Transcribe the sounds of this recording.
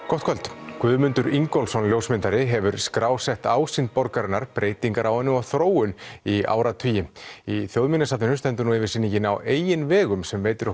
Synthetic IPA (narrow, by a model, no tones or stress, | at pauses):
kʰɔht̪kʰɛlt̪kvʏːðmʏnt̪ʏɾiŋkɔlsɔnljowsmɪnt̪aɾɪɦɛvʏɾskɾaːwsɛht̪aːwsɪnt̪̚pɔɾkaɾɪnːaɾpɾʔeːjt̪iŋkaɾawhɛnːɪɔθɾoːwʏnia̰ːwɾat̪ʰiːjɪiθjowðminasaːt̪ɪnʏmst̪ɛmt̪̬ʏɾnuɪvɪɾsinːɪcɪnawʔeːjɪnvɛːɣʏmsɛmveːjt̪ʏɾ